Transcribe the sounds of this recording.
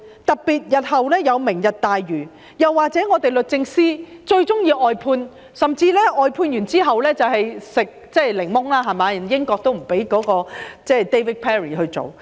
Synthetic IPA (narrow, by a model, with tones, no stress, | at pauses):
t̪ɐ˨k̚piː˨t̚jɐ˨t̚hɐ˨wlɛː˥jɐ˨˧wmɪ˨˩ŋjɐ˨t̚t̪aː˨jːyː˨˩ | jɐ˨wːaː˨k̚t͡sɛː˨˥ŋɔː˨˧t̪e˨jlɵ˨t̚t͡sɪ˧ŋsiː˥t͡ʃɵ˧ɥt͡sʊ˥ŋjiː˧wʔɔː˨˧jpʰuː˧n | sɐ˨mt͡siː˧lɛː˥ʔɔː˨jpʰuː˧njyː˨˩nt͡siː˥ɦɐ˨wlɛː˥t͡sɐ˨whɐ˨jsɪ˨k̚t͡sɛː˥lɪ˨˩ŋmʊ˥ŋlaː˥ɦɐ˨jmaː˨˧jɐ˨˩njɪ˥ŋkɔː˧k̚t̪o˥wm̩˨˩pe˨˥jkɔː˨˥kɔː˧t͡sɛː˥t̪e˥jwi˥t̚pʰɛː˥ɹiː˨˩ɦɵ˧ɥt͡so̰˨w